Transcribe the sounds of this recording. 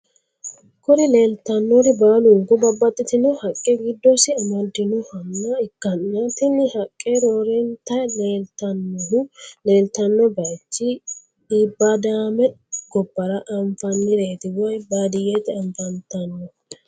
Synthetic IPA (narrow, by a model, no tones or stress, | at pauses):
kɔɾɪle̞ːlt̪ɐnːɔɾɪbaːlʊŋɡɔbɐbːɐt̪ʼːɪt̪ɪnɔhɐkʼːeɡɪd̪ːɔsɪɐmɐd̪ːɪnɔhɐmːɐɪkːɐnːɐt̪ɪnɪhɐkʼːeɾoːɾɛnt̪ɐle̞ːlt̪ɐnːɔɦʊle̞ːlt̪ɐnːɔbɐjt͡ʃːɪ | iːbːad̪aːmɛɡ̥ɔbːɐɾɐʔɐɱfɐnːɪɾeːt̪ɪwɐjbaːd̪ɪjet̪ɛɐɱfɐnt̪ɐnːɔ